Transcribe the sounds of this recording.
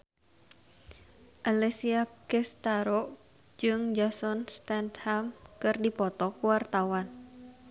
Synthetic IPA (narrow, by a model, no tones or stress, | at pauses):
ʔalesiakɛst̪aɾɔʔ | d͡ʒɨŋd͡ʒasɔnst̪ɛnt̪hamkɨrdipɔt̪ɔkuwart̪awan